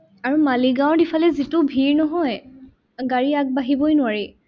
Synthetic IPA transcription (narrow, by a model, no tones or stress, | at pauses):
aɹumaliɡãw̃ɹdipʰalɛzitʊbʱiɹnɔɦɔj | ɡaɹiak̚baɦibɔjnʊwaɹi